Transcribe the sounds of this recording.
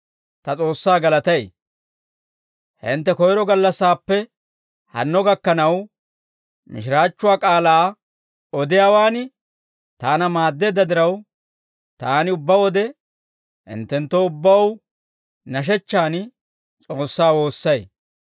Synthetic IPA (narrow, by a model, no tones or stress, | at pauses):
t̪ɐt͡sʼo̞ːsːaːɡɐlɐt̪ɐj | hɪ̰nt̪ːɛkɔjɾɔɡɐlːɐsːaːpːɛ | hɐ̰nːɔɡɐkːɐnɐw | mɪʃɪɾaːt͡ʃːʊwaːkʼaːlaː | ɔd̪ɪjaːwaːnɪ | t̪aːnɐmaːd̪ːe̞ːd̪ːɐd̪ɪɾɐw | t̪aːnɪʊbːɐwɔd̪ɛ | hɪ̰nt̪ːɛnt̪ːoʊbːɐw | nɐʃ̬ɛt͡ʃːaːn | t͡sʼo̞ːsːaːwo̞ːsːɐj